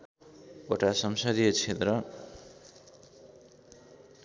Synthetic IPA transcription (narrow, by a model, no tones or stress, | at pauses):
oʈasʌmsʌd̪ijʌt͡sʰet̪rʌ